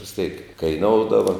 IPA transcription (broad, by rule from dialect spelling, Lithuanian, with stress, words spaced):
ʋʲɪs tʲeːk kɐɪˈnoːʊdɐʋɐ